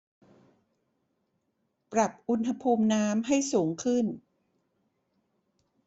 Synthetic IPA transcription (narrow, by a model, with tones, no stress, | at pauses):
pɾa˨˩p̚ʔu˧˥nɦa˧pʰuː˧mnaː˦˥mɦa˥˩jsuː˩˦ŋkʰɯ˥˩n